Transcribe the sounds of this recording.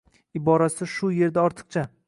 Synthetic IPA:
ɪbɒɾasɪʃʊje̞ɾd̪aɒɾt̪ʰɨ̥qt͡ʃʰa

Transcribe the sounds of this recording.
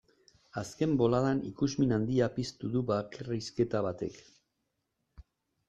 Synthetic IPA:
aske̞mbo̞laðanikuzminand̪iapist̪uðuβakeriske̞t̪aβ̞at̪e̞k

